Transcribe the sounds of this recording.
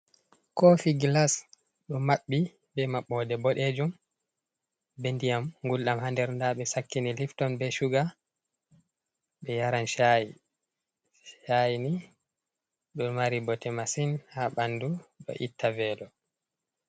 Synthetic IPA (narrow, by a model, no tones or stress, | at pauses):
kɔfiɡlas | ɗɔmaɓːi | bɛmaɓːɔdɛbɔɗed͡ʒum | bendijamŋɡulɗamhandɛɾndaɓɛsakːiniliftɔnbɛʃuɡa | ɓɛjaɾanʃaji | ʃajni | ɗɔnmaɾibɔtɛmasinhaɓanduɗɔ̰ʔitʰːavɛːlɔ